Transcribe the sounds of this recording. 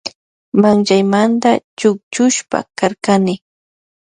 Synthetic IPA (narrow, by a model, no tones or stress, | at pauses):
maŋt͡ʃajmant̪at͡ʃʊk̚t͡ʃʊʃpa̰kaɾkanɪ